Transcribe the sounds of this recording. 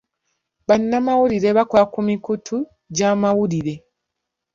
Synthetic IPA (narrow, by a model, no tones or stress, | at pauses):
βanːamawuliɾe̞βakwakumikutʰu | ɟamawuliɾe̞